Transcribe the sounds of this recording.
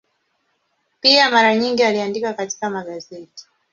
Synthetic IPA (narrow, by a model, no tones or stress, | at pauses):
piamaɾaɲiŋɡialiandikakati̥kamaɠazɛti̥